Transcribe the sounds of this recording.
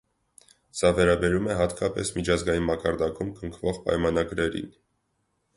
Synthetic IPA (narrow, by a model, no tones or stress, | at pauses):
sɑvɛɾɑbɛɾumɛɦɑt̪kʰɑpɛ̰smit͡ʃʰɑzɡɑjinmɑkɑɾd̪ɑkumkəŋkʰvɔʁpɑ̰jmɑn̪ɑɡɾɛɾḭn